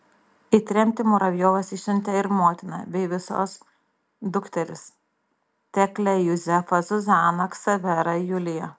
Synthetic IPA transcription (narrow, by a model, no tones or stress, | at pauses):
it̪ʲɾʲɛmʲt̪ʲɪmoːɾɐʋʲjoːʋɐsɪʃʲɪnʲt̪ʲɛɪɾmoːt̪ʲɪnɐ̰bʲɛɪʋʲɪso̰ːs | d̪ʊkt̪ʲɛɾʲɪs | t̪ʲɛklʲɛjʊzʲɛfɐzʊzɑːnɐksɐʋʲɛɾɐjʊlʲɪjɛ